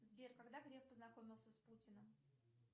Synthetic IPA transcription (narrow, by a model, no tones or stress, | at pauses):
zbʲerkaɡd̪aɡɾʲefpəznɐko̞mʲɪlˠsʲəsputʲɪnəm